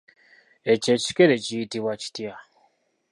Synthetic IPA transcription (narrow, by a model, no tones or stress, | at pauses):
e̞ce̞ci̥ke̞ɾe̞cijitiβwaci̥tja